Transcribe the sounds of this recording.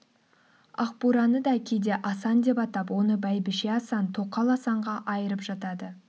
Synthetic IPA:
ɑqpuɾɑnəd̪ɑkʲʰejd̪e̞ʔɑsɑnd̪e̞pɑt̪ɑpwo̞nəbæjbɪʃe̞ɑsɑnt̪ʰo̞qːɑlˠɑsɑɴʁɑʔɑjəɾəpʒ̥ɑt̪ɑd̪ə

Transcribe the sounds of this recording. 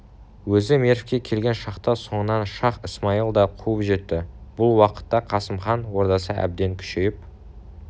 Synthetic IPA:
wɵzɪmeɾfkʲe̞kʲʰe̞lɡʲe̞nʃɑqt̪ɑso̞ɴənɑnʃɑqəsmɑilˠd̪ɑqʰuəpʒe̞t̪ːɪb̥ʊlˠwɑqə̥t̪ːɑqʰɑsəmχɑnwo̞ɾd̪ɑsəʔæ̰b̚d̪e̞ŋkʲʰʏ̥ʃejɪp̚

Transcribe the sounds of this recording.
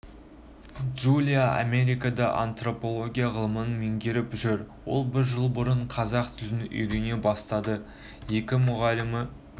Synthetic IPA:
ʒulʲijaʔa̰me̞ɾijkɑd̪ɑʔa̰nt̪ro̞po̞lˠo̞ɡʲijaʁəlˠəmənəme̞ŋɡʲe̞ɾɪpʒʏɾwo̞lˠbɪɾʒəlˠbʊɾəɴqʰɑzɑqt̪ʰʏldɪnʏ̰jd̪ene̞bɑst̪ɑd̪ə | je̞kʲɪmʊʁɑlɪmɪ

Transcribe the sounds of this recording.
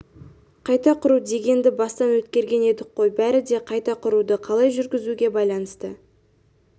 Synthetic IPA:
qʰɑjt̪ɑqʰʊɾud̪e̞ɡʲe̞nd̪ɪbɑst̪ɑnwɵt̪kʲe̞ɾɡʲe̞ne̞d̪ɪk̚qːo̞jbæɾɪd̪e̞qʰɑjt̪ɑqʰʊɾud̪əqʰɑlˠɑjʒʏɾɡʲɪzuɡʲe̞bɑjlˠɑnəst̪ə

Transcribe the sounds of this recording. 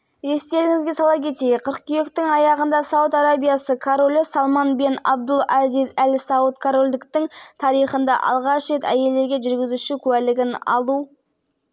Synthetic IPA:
e̞st̪e̞ɾɪŋɪzɡʲe̞sɑlˠɑkʲʰe̞t̪e̞jɪqʰəɾəq̚kʲʏjekt̪ɪŋɑjɑʁənd̪ɑsɑwut̪aɾabijɑsəkʰoɾo̞lʲɪsɑlˠmɑnbenɑ̰b̚d̪ʊlˠɑzijzælsɑwət̪kʰoɾo̞lʲd̪ɪkt̪ɪŋt̪ʰɑɾijχənd̪ɑ̰ʔɑ̰lˠʁɑʃɾe̞t̪æ̰je̞ld̪eɾɡʲe̞ʒʏɾɡʲɪzuʃɪkʲʰʉwælɪɡʲɪnɑ̰lˠu

